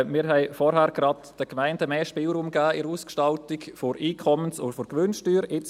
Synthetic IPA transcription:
mɪːɾɦɛɪfɔɾɦæɾɡ̥ɾɑdd̥əkmæɪndəmeːʃpɪːlɾuːmɡæːɪɾuːskʃtɑltikfoɾiːkʰɔmənsʊfʊɾɡʋʏnʃtyːɾɪt͡s

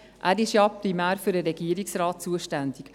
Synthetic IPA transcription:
ʔæːɾɪʃjɑpɾimæːɾfyɾəɾɛɡ̥iːəɾiksrɑːt̚t͡suəʃtænd̥̪ɪk

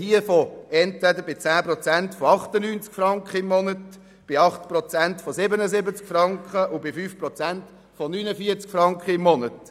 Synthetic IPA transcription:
hiəfɔɛntʋɛd̪əbɪt͡sæːprɔt͡sæntfɔɑχt̪ənyːnt͡skfɾɑŋkχəɪmːɔnət | b̥ɪɑχt̪prɔt͡sæntfɔsɪbənəsɪbət͡skfrɑŋkχəʔʊbɪfyːfprɔt͡sænt | fɔnynəfiət͡skfɾɑŋkχəɪmːɔnət

